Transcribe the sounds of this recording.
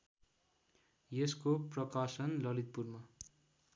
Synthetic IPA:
jeskoprʌkasʌnlʌlit̪̚purmʌ

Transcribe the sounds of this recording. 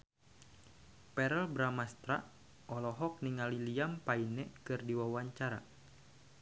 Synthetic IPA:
pɛɾɛlbɾamast̪ɾaʔ | ɔlɔɦɔk̚niŋaliliampainɛkɨrdiwawaɲt͡ʃaɾa̰

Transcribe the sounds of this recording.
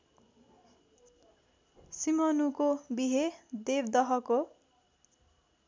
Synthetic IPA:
simʌnukobiɦed̪ebd̪ʌɦʌko

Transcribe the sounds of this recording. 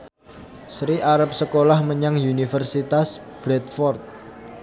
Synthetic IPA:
sɾiʔaɾəp̚səkolahməɲaŋunifərsit̪as | b̥ɾɛt̪̚fɔrt̪̚

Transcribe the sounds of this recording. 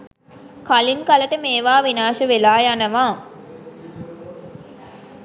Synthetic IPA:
kalinkaləʈəmeːʋaːʋinaːʃəʋelaːjanəʋãː

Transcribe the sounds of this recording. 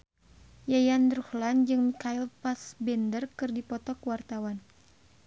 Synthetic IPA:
jajandɾuhland͡ʒɨŋkajlpasbɛndərkɨrdipɔt̪ɔkəwart̪awan

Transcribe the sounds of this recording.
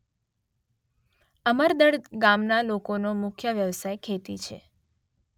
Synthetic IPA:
əməɾd̪əɽɡamnalokonomʊkʰjəʋjəʋsajkʰet̪it͡ʃʰḛ

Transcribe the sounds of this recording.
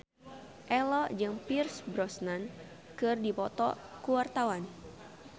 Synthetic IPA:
ʔɛlɔd͡ʒɨŋpirsbɾɔsnan | kɨrdipɔt̪ɔ̰kuwart̪awan

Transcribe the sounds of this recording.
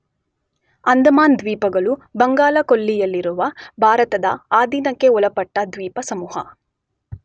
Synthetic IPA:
ɐnd̪ʱɐmaːnd̪ʋiːpɐɡɐɭubɐŋɡaːlɐkolːijɐlːiɾuʋɐbʱaːɾɐt̪ɐd̪ɐ̰aːd̪ʱiːnɐkːe̞ɔlɐpɐʈːɐd̪ʋiːpɐsɐmuːhɐ

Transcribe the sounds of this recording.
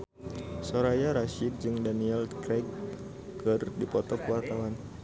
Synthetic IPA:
soɾajaɾaʃid̚d͡ʒɨŋdaniɛlkɾɛk | kɨrdipɔt̪ɔkwart̪awan

